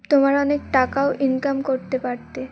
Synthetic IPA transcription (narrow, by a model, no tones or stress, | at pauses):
t̪omaɾɔnekʈakaoʔinkamkoɾt̪epaɾt̪e